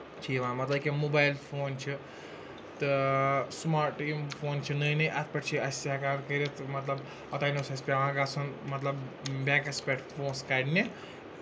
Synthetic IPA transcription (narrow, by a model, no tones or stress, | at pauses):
t͡ʃʰiʋãːmɐt̪lɐbkimubaːjlpʰoːnt͡ʃʰi | t̪ɨsmaːɾʈimfʰoːnt͡ʃʰinɐjnɐjʔɐt̪̚ʰpɐʈt͡ʃʰiɐsʲakaːɾkɐɾit̪ʰmɐt̪lɐb | ɔt̪aːjnosɐspʲaʋãːkaːsunmɐt̪lɐbbãːkɐspʲeːʈfʰoːnskaːɽni